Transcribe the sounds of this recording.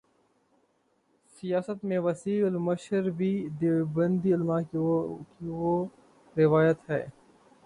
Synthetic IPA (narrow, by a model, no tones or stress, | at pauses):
sijaːsət̪mẽʋɐsiːlmɐʃəɾbʱid̪ebɐ̃nd̪iɪlmakiwo | ɾɪʋaːjət̪hɛ̰ː